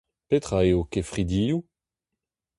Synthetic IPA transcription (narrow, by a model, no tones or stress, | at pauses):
pet̪χaeokefʁid̪iːju